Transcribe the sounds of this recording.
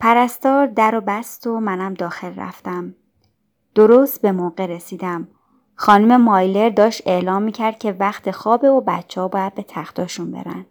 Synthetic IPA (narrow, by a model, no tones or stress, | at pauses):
pʰæɾæst̪ɒːɾd̪æɾobæst̪o̞mænæmd̪ɒːxe̞lræ̰ft̪æm | d̪̥o̞ɾost̪̚be̞moɢe̞ɾesiːd̪æm | xɒːnume̞mɒːjle̞ɾd̪ɒːʃt̪e̞ʔlɒːmːiːcʰæɾd̪̥̚cʰe̞væxt̪ʰe̞xɒːbe̞ubæt̪t͡ʃʰːehɒːbɒːjæd̪̚be̞t̪ʰæxt̪ʰɒːʃunbḛɾæ̰n̥